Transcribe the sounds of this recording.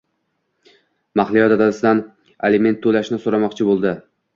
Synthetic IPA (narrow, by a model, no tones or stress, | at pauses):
maχlˠɪjɒt̪at̪asɪd̪an | eleme̞nt̪ʰːolaʃnɪsoɾamɒqt͡ʃʰɪbolˠd̪ɪ